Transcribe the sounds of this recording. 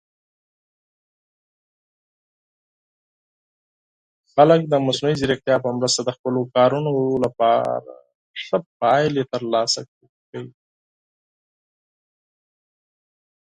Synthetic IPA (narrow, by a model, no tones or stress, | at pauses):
xalək̚d̪əmasnuiziɾəxt̪jɑpəmɾəst̪ad̪əxpəlokɑɾunolapɑ̰ɾa̰ | ʂəp̚ɑjlet̪əɾlɑsa | kəwi